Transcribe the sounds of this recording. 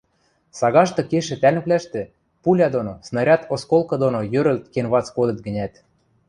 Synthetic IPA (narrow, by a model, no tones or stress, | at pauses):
sɑɣɑʃt̪ɤ̆keʃĕt̪ælmɘ̆plæʃt̪ĕ | pulʲɑd̪onosnɑɾʲɑt̪oskolˠkɤ̆d̪onojøɾə̆lt̪kenβɑt͡skod̪ɤ̆t̪̚ɡə̆nʲæt̪